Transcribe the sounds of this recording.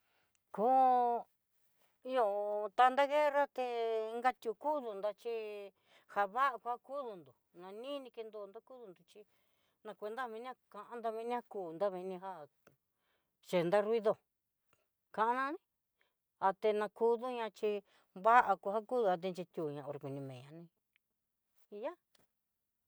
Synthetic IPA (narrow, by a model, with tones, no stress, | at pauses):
ko˦ | i˧jo˧t̪a˧nd̪a˦ɣe˦ɾa˦t̪e˧ŋɡa˧t̪ʲu˧ku˦ðu˧nd̪a˧t͡ʃi˦ | ha˧βa˦ʔa˧ku˧ha˦ku˦ðu˧nd̪o˨ | nã˧nĩ˦nĩ˧ke˧nd̪o˧nd̪a˦ku˦ðu˧nd̪u˨t͡ʃi˧ | nã˧kʷe˧nd̪a˦˧βĩ˧nĩ˦a˦kã˧ʔã˧nd̪a˧βĩ˧nĩ˦ha˧kuː˨nd̪a˦βĩ˧nĩ˧ɦa˦ | t͡ʃe˨nd̪a˦ɾi˧ðo˧˨ | kã˧ʔa˧nã˦˧nĩ˧˦ | a˧t̪e˧nã˧ku˧ðu˦ɲã˧t͡ʃi˧ | βa˦ʔa˧ku˧ha˦ku˦ðu˧a˧t̪̬e˧nt͡ʃe˧t̪ʲu˧˨ɲã˧o˨˧ɾe˧ku˨nĩ˧mẽː˨ɲã˧nĩ˧ | i˧ja˦